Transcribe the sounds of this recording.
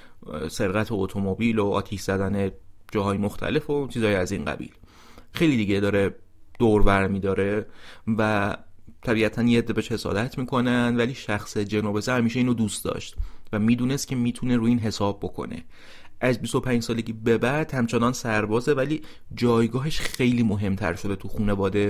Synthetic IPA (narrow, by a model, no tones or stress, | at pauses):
se̞ɾɣæt̪ʰoot̪ʰo̞mobiːloɒ̰ːt̪ʰiʃz̥æd̪æned͡ʒɒːɦɒːjemoxt̪ʰæ̰le̞fot͡ʃʰiːzɒːjiæziːnɢæ̰bḭːl | xe̞jliːd̪iːɟed̪ɒːɾe | d̪̥oːɾvæɾmiːd̪ɒːɾe̞væt̪ʰæbiːæt̪ʰænjeed̪ːebeʃhe̞sɒ̰ːd̪æt̪ʰmiːkʰo̞nænd̪væliːʃæxse̞d͡ʒenɒːbesihæmiːʃeiːnod̪uːst̪d̪ɒ̰ʃt̪væmiːd̪uːnest̪kcʰe̞miːt̪ʰuneɾuːiːnɦe̞sɒːb̚ːo̞kʰo̰ne̞̰ | ʔæzbist̪o̞pʰæːɲd͡ʒsɒːle̞ɟʲiːbe̞bæɾd̪̥hæmt͡ʃʰenɒːnsæɾbɒːzevæliː | d͡ʒɒːjɡɒːɦeʃxe̞jliːmo̞ɦe̞mt̪ʰæ̰ɾʃo̞d̪e̞t̪ʰuxuːne̞vɒːd̪e̞